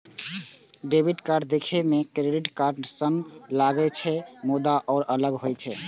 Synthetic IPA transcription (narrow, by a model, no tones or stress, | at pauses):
ɖebʱiʈkaɾɖd̪ekʰemekɾeɖiʈkaɾɖsənlaɡɛt͡ʃʰɛmud̪aʔɔːɾʔələɡɦojt̪ʰɛ